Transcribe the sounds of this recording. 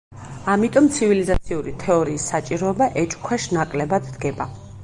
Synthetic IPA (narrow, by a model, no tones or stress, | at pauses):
amit̪ʼɔmt̪sʰivilizat̪sʰiuɾit̪ʰɛɔɾiːsːat͡ʃʼiɾɔɛbaʔɛt͡ʃʼkʰwɛʃnakʼlɛbad̪d̪ɡɛba